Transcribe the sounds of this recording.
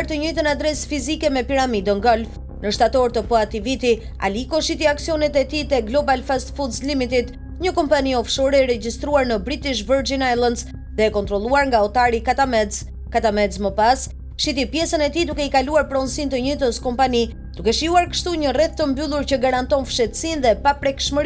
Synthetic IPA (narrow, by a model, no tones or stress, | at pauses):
ɾt̪əɲujt̪ənad̪ɾɛsfizikɛmɛpiɾamid̪əŋɡɔlf | nəʃt̪at̪ɔɾt̪əpɔat̪ivit̪i | a̰likɔʃit̪iaksiɔnɛt̪ɛt̪it̪ɛɡlɔbalfast̪fud̪zlimit̪it̪ | ɲəkɔmpaniɔfʃɔɾɛɾɛd͡ʒist̪ɾuaɾnəbɾit̪iʃvəɾd͡ʒinajlˠənz | ðɛːkɔnt̪ɾɔlˠuaɾŋɡaɔt̪aɾikat̪amɛz | kat̪amɛzməpas | ʃit̪ipjɛsənɛt̪id̪ukɛikaluaɾpɾɔnsint̪əɲit̪əskɔmpani | d̪̥ukɛʃiuaɾkə̥ʃt̪uɲərɛθt̪əmbylˠuɾcəɡaɾant̪ɔnfʃɛt̪sinðɛpapɾɛkʃməɾ